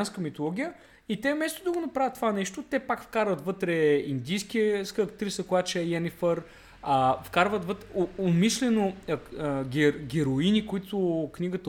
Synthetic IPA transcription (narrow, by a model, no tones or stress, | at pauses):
nskəmit̪olˠɔɡʲijə | it̪ɛmɛst̪od̪ɐɡonɐpɾavət̪ːvanɛʃt̪ot̪ɛpakfkaɾvət̪vɤt̪ɾɛind̪ijskʲiəskəkt̪ɾisəkoat͡ʃɛjɛnifəɾ | əfkaɾvət̪vət̪ɾɛoomiʃlɛno | ɡʲɛɡʲɛɾoinikoit̪ʊkniɡət̪ə